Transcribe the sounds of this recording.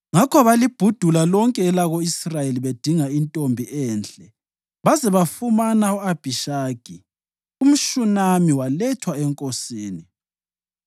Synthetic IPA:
ŋakʰɔβalib̥ʱud̥ʱulalɔŋkʼɛːlaɣoisrajeliβed̥ʱiŋaintʼombʱiʔɛːnɬʼɛ | βazɛβafumanauab̥ʱiʃaːɡ̥ʱi | um̩ʃunamiwalɛtʰwaɛŋkʼosiːni

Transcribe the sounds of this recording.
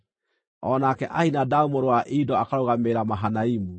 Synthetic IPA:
ɔnakɛʔahinadaomoɾowaʔidɔakaɾoɣameɾamaɦanaimu

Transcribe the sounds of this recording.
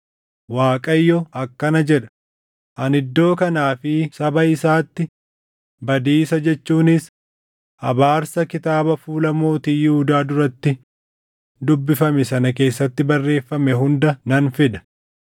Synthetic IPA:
waːkʼɐjːɔɐkːɐnɐd͡ʒɛᶑɐ̥ | ʔɐnɪd̪ːo̞ːkɐnaːfɪsɐbɐɪsaːt̪ːɪ | bɐd̪iːsɐd͡ʒɛt͡ʃːuːnɪs | ɐ̰baːɾsɐkɪt̪aːbɐfuːlɐmo̞ːt̪iːjʊhʊd̪aːd̪ʊɾɐt̪ːɪ | d̪ʊbːɪfɐmɛsɐnɐke̞ːsːɐt̪ːɪbɐrːe̞ːfːɐmɛɦʊnd̪ɐnɐnfɪd̪ɐ̥

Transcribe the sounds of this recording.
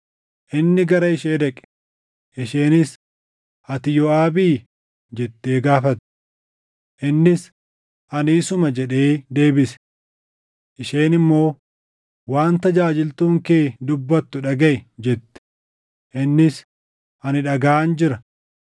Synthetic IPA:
ʔɪnːɪɡɐɾɐɪʃeːᶑ̪ɛkʼɛ̥ | ʔɪʃeːnɪs | ʔɐt̪ɪjɔaːbiː | d͡ʒɛt̪ːeːɡaːfɐt̪ː | ʔɪnːɪs | ʔɐniːsʊmɐd͡ʒɛᶑe̞ːd̪e̞ːbɪsɛ̥ | ʔɪʃeːnɪmːo̞ː | waːnt̪ɐd͡ʒaːd͡ʒɪlt̪uːŋke̞ːd̪ʊbːɐt̪ːʊᶑɐɡɐʔɪd͡ʒɛt̪ːɛ̥ | ʔɪnːɪs | ʔɐnɪᶑɐɡaːʔnd͡ʒɪɾɐ

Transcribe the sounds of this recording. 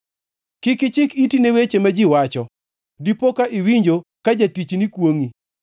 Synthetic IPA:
kɪkɪt͡ʃɪkitinewet͡ʃemad͡ʒɪwat͡ʃɔ | dipokaʔɪwiɲd͡ʒokad͡ʒatit͡ʃnikwoŋi

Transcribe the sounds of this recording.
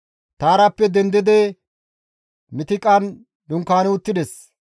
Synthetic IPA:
t̪aːɾɐpːɛd̪ɛnd̪ɪd̪ɛ | mɪt̪ɪkʼːɐn | d̪ʊŋkaːnɛʊt̪ːɪd̪ɛs

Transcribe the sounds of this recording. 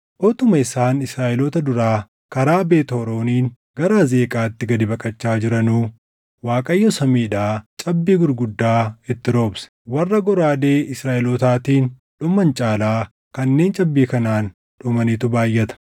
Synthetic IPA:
ʔɔt̪ʊmɐɪsaːnɪsɾaːʔɪlot̪ɐd̪ʊɾaː | kɐɾaːbe̞ːt̪oɾo̞ːniːn | ɡɐɾaze̞ːkʼaːɪt̪ːɪɡɐd̪ɪbɐkʼɐt͡ʃːaːd͡ʒɪɾɐnuː | waːkʼɐjːɔsɐmiːᶑaːt͡ʃʼɐbːiːɡʊɾɡʊd̪ːaːɪt̪ːɪɾo̞ːbsɐ̥wɐrːɐɡɔɾaːd̪eːɪsɾaːʔɪlot̪aːt̪iːn | ᶑʊmɐnt͡ʃʼaːlaː | kɐnːe̞ːnt͡ʃʼɐbːiːkɐnaːn | ᶑʊmɐnit̪ʊbaːjːɐt̪ɐ̥

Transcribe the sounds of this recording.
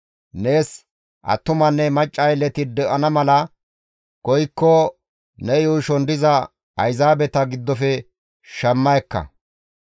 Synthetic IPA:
ne̞ːs | ʔɐ̰t̪ːʊmɐnːɛmɐt͡ʃʼːɐjlɛt̪ɪd̪ɛʔɐnɐmɐlɐ | kɔjkːɔ | nɛjuːʃɔnd̪ɪzɐ | ɐjzaːbɛt̪ɐɡɪd̪ːɔfɛ | ʃɐmːɐjkːɐ̰

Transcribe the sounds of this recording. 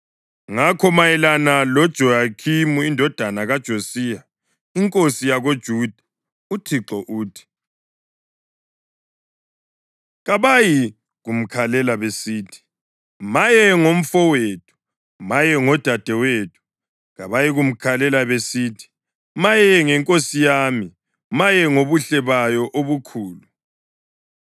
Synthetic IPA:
ŋakʰɔmajɛlanalɔd̥ʒ̥ʱɔjakʰimuindʱɔd̥ʱanaɣad̥ʒ̥ʱosiːja | iŋkʼosijaɣod̥ʒ̥ʱuːd̥ʱa | utʰiǁɔʔuːtʰi̥ | ɣaβaji | ɣum̩kʰalɛlaβesiːtʰi̥ | majɛŋom̩fɔwetʰu̥ | majɛŋɔd̥ʱad̥ʱɛweːtʰu̥ | ɣaβajiɣum̩kʰalɛlaβesiːtʰi̥ | majɛŋɛŋkʼosijaːmi | majɛŋoβuɬɛβajɔʔoβukʰuːlu

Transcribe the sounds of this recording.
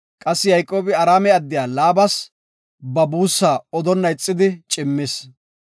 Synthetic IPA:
kʼɐsːɪjɐjkʼːo̞ːbɪɐɾaːmɛɐd̪ːɪjaːlaːbɐs | bɐbuːsːaːɔd̪ɔnːɐɪt͡sʼːɪd̪ɪt͡ʃʼɪmːɪs

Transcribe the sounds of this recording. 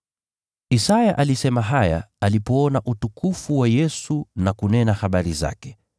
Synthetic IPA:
isajaʔalisɛmaɦaja̰alipɔɔnaʔutukufuwajɛsunakunɛnaxaɓaɾiza̰kɛ̥

